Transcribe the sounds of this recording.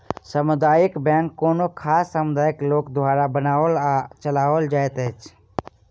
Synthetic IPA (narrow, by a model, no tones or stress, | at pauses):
səmʊd̪aːjɪkbɛ̃ːŋkːoːnokʰaːsːəmʊd̪aːjɪkloːkd̪ʱwaːɾabənaːolt͡ʃəlaːʋold͡ʒaːet̪et͡ʃʰ